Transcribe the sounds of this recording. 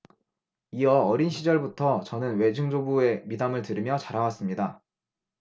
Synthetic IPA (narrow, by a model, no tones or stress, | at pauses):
iʌːɾinɕʰid͡ʑʌɭbutʰʌt͡ɕʌnɯnwe̞d͡ʑuŋd͡ʑobue̞midamɯɭtɯɾimjʌt͡ɕaɾɦawas͈ɯmɲida